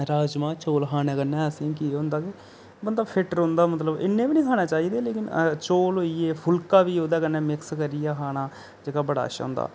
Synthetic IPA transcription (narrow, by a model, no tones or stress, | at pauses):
ɾaːd͡ʒmãːt͡ʃoːlkʰaːnẽːkənːẽːsẽːkiːɦoʊ̃ːnd̪aːk̪eː | mənd̪apʰɪʈəɾɦõːnd̪aːmət̪ləbɪ̰nːẽːbiːnĩːkʰaːñaːt͡ʃaːiːd̪eːleːkɪnt͡ʃoːlɦoːiːeːpʰʊlkaːʋiːoːd̪aːkənːẽːmɪkskəɾijaːkʰaːnaː | d͡ʒeːkaːbəɽa̰ːʃa̰ːnd̪a̰ː